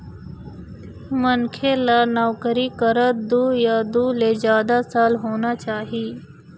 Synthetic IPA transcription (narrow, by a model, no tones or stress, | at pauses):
mənkʰeːlaːnaːkəɾiːkəɾət̪̚d̪uːjaːd̪uːleːzjaːd̪asaːlɦoːnaːt͡ʃaːɦiː